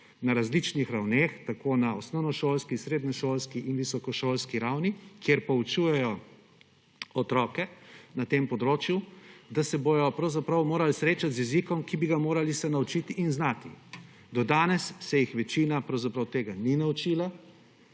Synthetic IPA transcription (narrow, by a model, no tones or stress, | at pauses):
naɾazlit͡ʃnixɾawneːxt̪akonaɔsnɔwnɔʃoːlskisɾeːd̪nɛʃoːlskiʔinʋisɔkɔʃoːlskiɾawnikjeɾpɔut͡ʃujɛjɔ | ɔt̪ɾɔːkɛnat̪empɔd̪ɾoːt͡ʃjud̪asɛbojɔpɾɐwzapɾɐwmoːɾalsɾeːt͡ʃat̪zjɛzikɔmkibiɡamoːɾalisɛnaut͡ʃit̪iʔːnznaːt̪ḭ | d̪ɔd̪aːnɛsːɛjixʋɛt͡ʃiːnapɾɐwzapɾɐwt̪eːɡaninaut͡ʃiːla